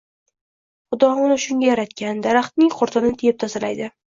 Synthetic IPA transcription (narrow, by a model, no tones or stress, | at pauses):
χʊd̪ɒʁʊnʊʃʊŋɡʲajaɾat̪kʲand̪aɾaχt̪nɪŋqʰʊɾt̪ʰɪnnɪt̪ʰejɪp̚t̪ʰazalajd̪ɪ